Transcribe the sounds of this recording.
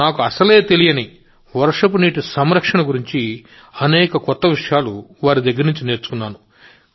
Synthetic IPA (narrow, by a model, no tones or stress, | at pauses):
naːkuɐsɐleːt̪e̞lijɐni | ʋɐɾʂɐp̬uniːʈusɐmɾɐkʂɐɳɐɡuɾiɲt͡ʃi | ɐnɛːkɐkɔt̪ːɐʋiʂɐjaːluʋaːɾid̪ɐɡːɐɾnuɲt͡ʃine̞ːɾt͡ʃu̥kunːaːnu